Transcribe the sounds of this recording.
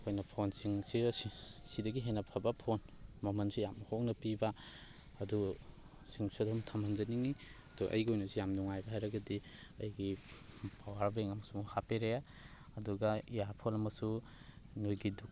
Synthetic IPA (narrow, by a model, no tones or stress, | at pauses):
kʰojnɐpʰonsiŋsisidɐɡiɦenapʰabapʰonmɐmɐnsijamɐhoknɐpiba | ɐdu | siŋsadumtʰamanzɐniŋiɐduʔɐ̰jɡiojnusijamduŋajbaɦajɾɐɡɐdi | ɐjɡipʰawaɾbeŋɐmɐsuhapeɾeja | ɐduɡaijaɾpʰolɐmɐsu | nojɡiduk